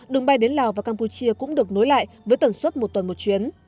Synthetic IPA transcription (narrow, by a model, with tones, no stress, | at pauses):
ɗɨ˨˩ŋɓa˧jɗe˨˦nlaː˨˩wvaː˨˩kaː˧mpu˧t͡ɕi˧əkʊ̰˧˥ŋ͡mɗɨ˨˩ək̚no˨˦jla̰ː˧˨jvəː˨˦jt̪ə˧˩nswə˦˥t̚mo˨˩t̚t̪ə˨˩nmo˨˩t̚t͡ɕwi˨˦ən